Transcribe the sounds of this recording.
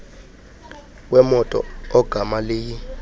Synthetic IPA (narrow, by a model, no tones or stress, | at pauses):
wɛmɔtʼɔ̰ɔɡ̥ʱamaleːji